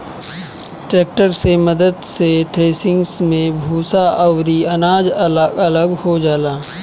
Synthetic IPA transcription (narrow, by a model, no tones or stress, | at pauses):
ʈɾeːk̚ʈəɾseməd̪əd̪seʈeːsɪ̃ŋɡsmẽbʱuːsaʔəwɾiɐnaːd͡ʒəlɐləɡhod͡ʒaːlaː